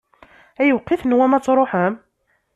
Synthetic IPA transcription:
æjəwqːiθnwæmæt͡sːɾˤoħəm

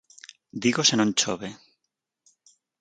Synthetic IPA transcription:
d̪iɣosenõnt͡ʃoβe

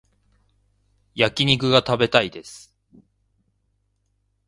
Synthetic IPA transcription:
jakʲiɲ̟ikɯ̟ɡat̪abe̞t̪aid̪e̞sɨ̥

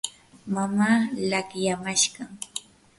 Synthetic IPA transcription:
mamaːlakjamaʃɢɑŋ

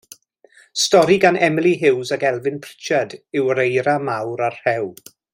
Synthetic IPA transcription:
stɔɾiɡanɛmɪlˠiɦɪwzaɡɛlˠvɪnpʰr̥ɪ̥t͡ʃadɪwəɾejɾamawɾarrɛw

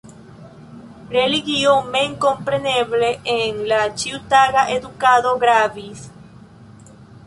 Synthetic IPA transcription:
reliɣjoŋmeiŋkompɾeneβleʔeŋlat͡ʃiwt̪aɣaʔeðukaðoɣɾaβis

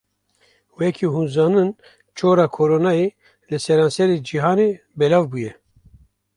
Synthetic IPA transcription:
wɛkʰiɦuːnzɑːnɨn | t͡ʃʰoːɾɑːkʰoɾoːnɑe | lɨsɛɾɑːnsɛɾeːd͡ʒiɦɑːne | bɛlɑːvbujɛ

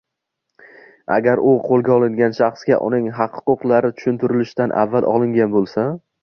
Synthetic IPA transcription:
a̰ɡʲaɾʊqʰolˠɡʲaɒlˠɪŋɡʲanʃɑχsɡʲa̰ʔʊ̰nɪŋɦɑqhʊ̥qʊqlˠaɾɪt̪ʰʊ̥ʃʊnt̪ʰʊɾɪlɪʃt̪anʔa̰vːalˠʔɒlˠɪŋɡʲanbolˠsa

